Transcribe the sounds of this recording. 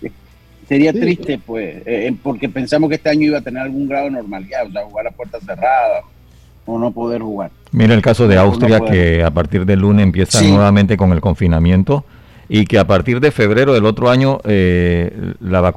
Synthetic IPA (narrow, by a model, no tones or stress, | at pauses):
seɾiat̪ɾist̪epwesepoɾkepe̞nsamoskeest̪eaɲoiβat̪eneɾalɣuŋɡɾaðoenoɾmaliðaoseahuɣaɾlapwe̞ɾt̪aseraða | ono̞po̞ðeɾxuɣaɾ | miɾeelkaso̞ðeawst̪ɾɾjakeapaɾt̪iɾðe̞lːuneempje̞sannwe̞βamẽnt̪e̞ko̞ŋe̞lko̞ɱfinamjẽ̞nt̪o̞ | ike̞apaɾt̪iɾðe̞fe̞β̞ɾe̞ɾoðelo̞t̪ɾo̞aɲo̞ʔe | laβak